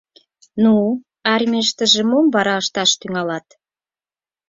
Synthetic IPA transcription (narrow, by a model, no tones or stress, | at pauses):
nu | ɑrʲmʲeʃt̪ə̆ʒĕmomβɑɾɑəʃt̪ɑʃt̪yŋɑlɑt̪